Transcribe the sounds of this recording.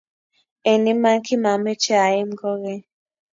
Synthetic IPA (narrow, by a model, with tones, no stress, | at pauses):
e˨ni˦ma˦ŋ˦ki˦ma˨mɛ˦t͡ʃɛ˦a˨je˦m˦ɡɔ˦ɣɛ˦